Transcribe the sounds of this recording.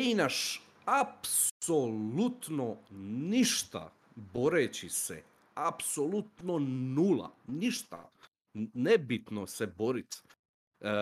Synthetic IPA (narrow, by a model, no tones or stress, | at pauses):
inaʃ | apsolut̪noniʃt̪a̰ | bo̞ɾet͡ɕisɛ̰ | apsolut̪nonuːlˠa̰niʃt̪a̰ | nebit̪nosebo̞ɾit̪